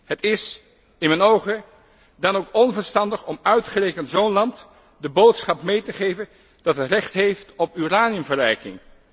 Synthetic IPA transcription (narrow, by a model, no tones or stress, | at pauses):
ɦətɪs | ɪnmɛnowχə | dɑnowkɔnvəɹstɑndəχɔmœɥtχərejkəntzownlɑnt | dəbowtsχɑpmejtəχejvən | d̥ɑtətrɛχtɦejftɔpyraːnijəmvərɛjkɪ̰ŋ